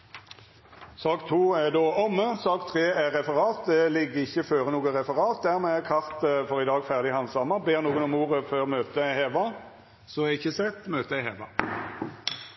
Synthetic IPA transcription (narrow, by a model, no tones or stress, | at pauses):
sɑːkt̪ʰuːæd̪oːɔmːəsɑːkt̪ʰʁeːæʁɛfəʁɑːt̪̚d̪ɛlɪɡːəɪçːəføːʁənuːɡəʁɛfəʁɑːt̪̚d̪æʁmɛɛkʰɑʁt̪əfɔʁɪd̪ɑːɡfæʁd̪ɪhɑnsɑmːəbeːʁnuːɡənɔmuːʁəføːʁmøːt̪əæɪheːʋɑ | sɔɛɪçːəsɛt̪møːt̪əæɪhɛːʋɑ